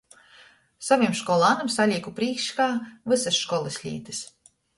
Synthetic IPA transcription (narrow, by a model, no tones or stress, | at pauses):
saviɛmʃkɔlˠaːnamsalʲiɛkupɾiːkʃkaːvɨsasʃkɔlˠɨsʲlʲḭːt̪ɨ̥s